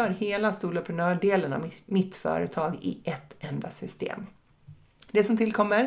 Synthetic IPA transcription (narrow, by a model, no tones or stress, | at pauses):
œːɾheːlast̪uːləpʰɾɛnœːɖeːləna̰mɪt̪fœ̰ːɾə̰t̪ʰɑːɡɪ̰ʔɛt̪ːɛnd̪a̰sʏst̪ḛːm | d̪ɛsɔmt̪ʰɪlkʰɔmːəɾ